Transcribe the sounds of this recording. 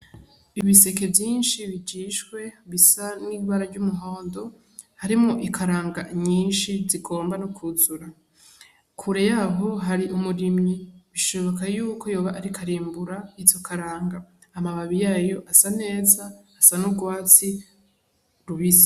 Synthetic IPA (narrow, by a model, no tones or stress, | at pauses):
iβise̞ke̞vjiːnʃiβid͡ʒiːʃkwe̞βisaniːβaɾaɟumuɦo̞ːndo̞ | haɾimŋoʔikʰaɾaːŋɡaɲiːnʃiziɡo̞ːmbanukʰuzuɾa | kʰuɾe̞jaɦo̞ɦaɾiʔumuɾimɲiβiʃo̞βo̞kajuːkʰo̞jo̞ːβaʔaɾikʰaɾiːmbuɾait͡ʃokʰaɾaːŋɡaː | maβaβijaːjo̞ʔasane̞ːzaːsanuɡwaːt͡si | ɾuβize̥